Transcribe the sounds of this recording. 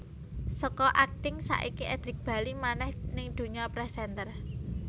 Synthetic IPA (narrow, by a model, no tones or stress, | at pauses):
sɔkɔʔak̚t̪ɪŋsa̰ʔikiʔɛd̪̥ɾɪk̚b̥a̤limanɛhnɪŋd̪̥ṳɲɔpɾɛsɛnt̪ər